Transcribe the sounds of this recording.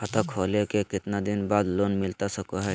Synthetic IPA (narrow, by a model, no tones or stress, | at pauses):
ət̪akʰolekekɪt̪nad̪inbad̪lonmɪlt̪asəkoɦɛ